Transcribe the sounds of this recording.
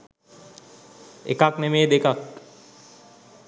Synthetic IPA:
ḛkaknemeːd̪ekak

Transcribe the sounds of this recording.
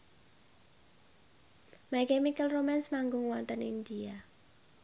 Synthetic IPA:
mɛkɛmikəlromɛnsmaŋɡʊŋwɔnt̪ənind̪ia

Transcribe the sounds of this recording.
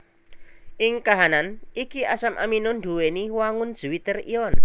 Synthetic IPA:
ʔɪŋkaɦananikiasamʔa̰minʊnɖuweniwaŋʊnd̥ʒ̥uwit̪ərḭɔn

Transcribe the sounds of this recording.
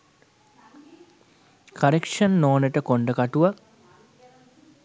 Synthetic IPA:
kʰɐɾekʂɐnːoːnəʈəkoɳɖəkaʈuʋə

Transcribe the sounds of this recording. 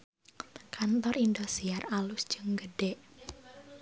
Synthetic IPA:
kant̪ɔrind̪osiaralʊsd̥d͡ʒ̥əŋɡəɖɛʔ

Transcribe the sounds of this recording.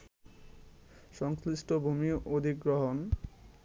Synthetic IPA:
ʃɔŋsliʃʈobʱumioʔod̪ʱikɡɾoɦon

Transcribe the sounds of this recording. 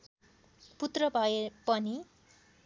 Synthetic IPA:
put̪rʌbʱʌepʌni

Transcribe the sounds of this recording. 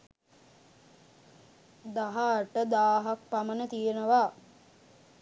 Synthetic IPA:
d̪aɦaʈəd̪aːɦak̚pamənət̪ijenəʋaː

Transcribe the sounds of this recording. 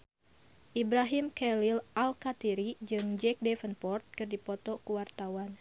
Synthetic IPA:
ʔibɾaɦimkɛlilʔalkat̪iɾid͡ʒɨŋd͡ʒɛk̚dɛfənpɔrt̪̚kɨrdipɔt̪ɔkuwart̪awan

